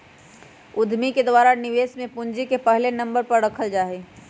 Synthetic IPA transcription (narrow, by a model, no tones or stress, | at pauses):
ʊd̪ʱmiked̪waːɾanɪʋeːsmẽpʊnd͡ʒikepɛɦlenɐ̃mbəɾpɐɾɾɐkʰəld͡ʒaːɦeː